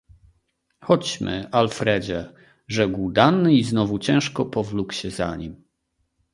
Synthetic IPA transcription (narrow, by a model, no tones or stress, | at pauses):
xɔt͡ɕmɘ̰alfɾɛd͡ʑɛ | ʐɛɡwd̪anːɘiznɔvut͡ɕɛ̃w̃ʂkɔpɔvlukɕɛzaɲim